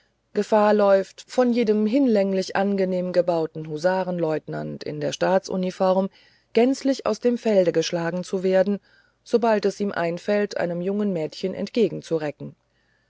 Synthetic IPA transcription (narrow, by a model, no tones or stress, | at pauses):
ɡ̥əfaːɐlɔʏftfɔnjeːdəmɦɪnlɛŋlɪçʔanɡəneːmənɡəbaʊtn̩ɦuzaːʁənlɔʏtnantɪ̰ndeːɐʃtaːt͡sʔṵnifɔʁm | ɡ̥ɛnt͡slɪça̰ʊsd̥eːmfɛldəɡəʃlaːɡŋ̩t͡suveːɐdn̩ | z̥obaltɛsʔiːmʔa̰ɪnfɛltʔa̰ɪnəmjʊŋənmɛːtçənʔɛ̰ntɡ̥eːɡŋ̩t͡suʁɛkŋ̩